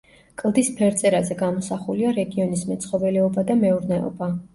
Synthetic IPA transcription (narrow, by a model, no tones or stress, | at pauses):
kʼlˠd̪ispʰɛɾt̪sʼɛɾazɛɡamɔsaχuliaɾɛɡiɔnismɛt̪sʰχɔvɛlɛɔbad̪amɛuɾnɛɔ̰ba